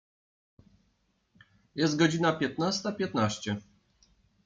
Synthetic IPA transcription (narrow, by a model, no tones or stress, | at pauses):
jɛst̪̚ɡɔd͡ʑinapʲjɛt̪nast̪apʲjɛt̪naɕt͡ɕɛ